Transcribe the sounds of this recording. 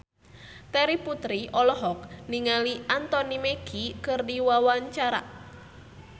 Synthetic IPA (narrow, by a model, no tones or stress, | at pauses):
t̪ɛɾiput̪ɾiʔɔlɔɦɔk̚niŋaliʔant̪ɔnimeɡ̥ikɨrdiwawaɲt͡ʃaɾa̰